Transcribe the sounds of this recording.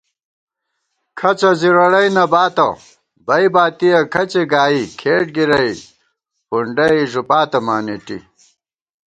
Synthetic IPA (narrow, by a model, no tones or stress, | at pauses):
kʰɐt͡sɐziɾɐɽɐjnɐbaːt̪ɐ̰ | bɐjbaːt̪iɐkʰɐt͡ɕeɡaːikʰeːʈɡiɾɐi | puɳɖɐiʐupaːt̪ɐmaːneʈḭ